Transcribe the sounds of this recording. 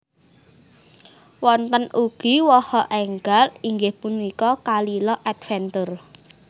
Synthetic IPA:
wɔnt̪ənuɡ̥i̤wɔhɔʔɛŋɡaliŋɡehpunikɔkalilɔʔɛt̪fɛnt̪ər

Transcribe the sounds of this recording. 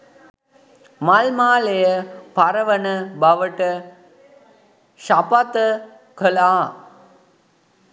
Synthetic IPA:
malmaːlejəpaɾəʋənəbaʋəʈə | ʃapat̪ə | kəlaː

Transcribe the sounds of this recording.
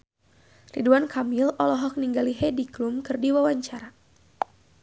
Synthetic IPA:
riduankʰamilɔlɔɦɔk̚niŋɡaliɦediklumkɨrdiwawaɲt͡ʃaɾa

